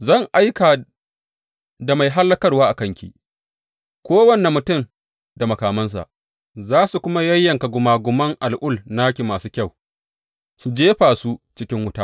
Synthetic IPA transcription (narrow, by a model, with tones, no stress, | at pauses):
zɐ˦˨ŋʔa˦jkaː˨ | da˨ma˨jɦa˦lːɐ˦kɐ˦rwaː˦ʔa˨kɐ˦ŋkʲḭ˨ | kʷoː˦wɐ˦nːe˨mːʊ˨tʊ˦˨m | da˨mɐ˨kaː˨mɐ˦ns̬a̰˨ʔ | zaː˦su˨kʷʊ˦ma˦jɐ˦jːɐ˨ŋka˨ɡʷʊ˨maː˨ɡʷʊ˨mɐ˦ŋʔa˨lʔʊ˦lnaː˦kʲi˨maː˨suː˦kʲɐ˦˨w | su˨d͡ʒeː˦ɸaː˨su˦t͡ʃɪ˦kʲɪ˦ŋwʊ˦taː˦